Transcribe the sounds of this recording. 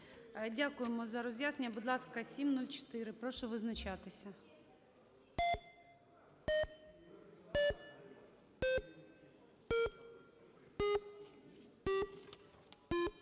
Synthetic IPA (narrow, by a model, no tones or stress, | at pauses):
dʲakʊjemɔzɐɾɔzʲjaznnʲɐbud̪lˠɑskɐsʲimnulʲt͡ʃɔ̥t̪ɪɾɪpɾɔʃɔʋɪznɐt͡ʃɑt̪ɪsʲɐ